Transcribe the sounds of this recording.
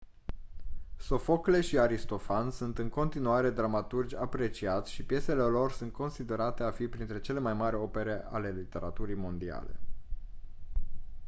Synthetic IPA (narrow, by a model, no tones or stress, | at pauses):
so̞fo̞kle̞ʃiaɾist̪o̞fansunt̪ɨŋko̞nt̪inuaɾe̞d̪ɾamat̪urd͡ʒʲapɾe̞t͡ʃiat̪sʲʃipje̞se̞le̞lo̞rsunt̪̚ko̞nsid̪e̞ɾat̪e̞afipɾint̪ɾe̞t͡ʃe̞le̞majmaɾʲo̞pe̞ɾe̞ʔa̰le̞lit̪e̞ɾa̰t̪uɾijmo̞nd̪ia̰le̞̰